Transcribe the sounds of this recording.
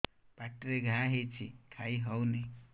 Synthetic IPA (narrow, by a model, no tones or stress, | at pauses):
paʈɾeɡʱãɦet͡sʰikʰajɦʌwni